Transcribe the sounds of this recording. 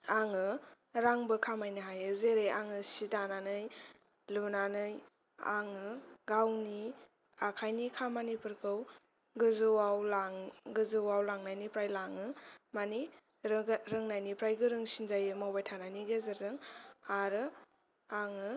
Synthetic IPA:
aŋɯ | ɾaŋbɯkʰamajnɯɦajɯzeɾeʔaŋɯsitananɯj | lunanɯj | aŋɯɡawni | akʰajnikʰamanipuɾkʰɯw | ɡɯzɯwawlaŋɡɯzɯwawlaŋnajnipɾajlaŋɯmani | ɾɯŋnajnipɾajɡɯɾɯŋsinzajɯmawbajtʰanajniɡezɯɾzɯŋaɾɯ | aŋɯ

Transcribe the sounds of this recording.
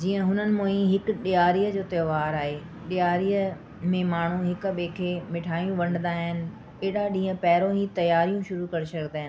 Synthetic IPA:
d͡ʑiːə̃ɦʊnənɪ̆mõːĩɦɪkɗɪjaːɾijəd͡ʑoːt̪ɐjoʋaːɾaːɦeː | ɗɪjaːɾijə | mẽmaːɳ̤ũɦɪkɓeːkʰemɪʈʰaːijũʋɐ̃ɳɖnd̪aɦɪnɪ̆ | eːɗaɗĩːə̃pɛːɾõɦit̪ɐjaːɾijũʃʊɾukɐɾesɐknd̪aːɦɪn

